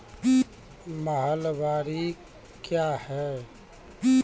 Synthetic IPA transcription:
məɦəlʋaːɾi | kjahɛ

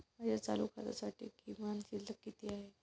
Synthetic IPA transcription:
məjat͡sa̰lukʰat̪a̰saʈḭːkimant͡ɕiːləkːit̪iaɦe

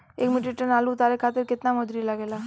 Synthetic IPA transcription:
eːkmiʈiʈənalut̪aɾekʰat̪ɪɾkɪt̪namɔd̪ɾilaɡela

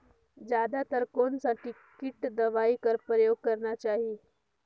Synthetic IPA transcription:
d͡ʑjad̪at̪əɾkonsaʈʰi | kiʈd̪əʋaikəɾpɾəjoɡ̚kəɾnat͡ʃaːɦi

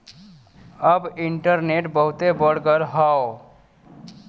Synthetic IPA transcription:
əbɪɳʈəɾneʈbəɦʊt̪ebəɽɡəɾɦao

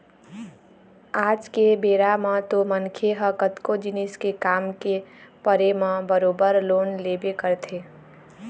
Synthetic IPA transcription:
aːd͡ʒkebeːɾamãt̪omənkʰeɦəkət̪kod͡ʒɪniskekaːmkepəɾemãbəɾoːbəɾloːnleːbekəɾt̪ʰeː

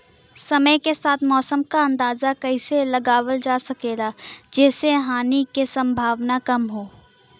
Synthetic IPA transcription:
sɐməjkesaːt̪ʰmɔːsəmkaɐ̃nd̪aːzakɐiselɐɡaːwəld͡ʒaːsɐkeːɡad͡ʒɛːseɦaːnikesɐ̃mbʱaːʋnakɐmɦoː

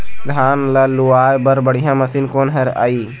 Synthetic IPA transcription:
d̪ʱaːnləluaːjbəɾbəɽijãməsiːnkoːnɦɐɾa̰ːiː

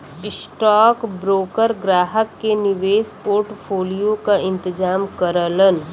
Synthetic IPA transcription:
ɪsʈɔːkbɾoːkəɾɡɾaːɦəkːenɪʋeːspoːɾʈpʰoːlijokaʔɪ̃nt̪ɪd͡ʒaːmkəɾələn

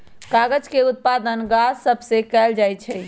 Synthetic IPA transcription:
kaɡəd͡ʒkeut̪̚pad̪ənɡasəbʱsekɛːld͡ʒajt͡ʃʰɛ

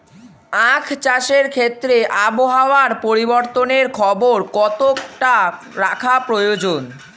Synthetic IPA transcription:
ãkʰt͡ɕaʃeɾkʰet̪ːɾeʔaboɦaoaɾpoɾiboɾt̪oneɾkʰɔboɾkɔt̪okʈa | ɾakʰapɾojod͡ʑon

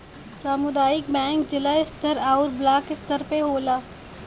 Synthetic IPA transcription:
saːmʊd̪aːjɪkbɛ̃ːŋkd͡ʒɪlaɪst̪əɾaːʊɾblaːkɪst̪əɾpeɦoːlaː

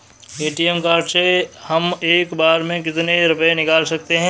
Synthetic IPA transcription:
eːʈiɛmkaːɾʈsehɐmeːkbaːɾmẽk̬ɪt̪neɾʊpəẽnɪkaːlsɐk̚t̪eɦɛ̃ː

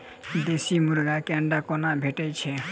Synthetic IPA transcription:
d̪esimuɾɡakɛɳɖakɔnabʱeʈəjt͡ʃʰɛ

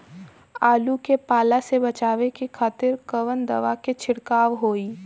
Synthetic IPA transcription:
aːlukepaːlasebɐt͡ʃaːʋekikʰaːt̪ɪɾkəʋənd̪ɐ̰ʋaket͡ʃʰɪɽkaːʋɦoːiː

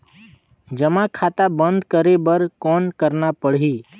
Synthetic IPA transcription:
d͡ʒəmãkʰaːt̪abə̃nd̪kəɾebəɾkɔːnkəɾnapəɽ̤ɦi

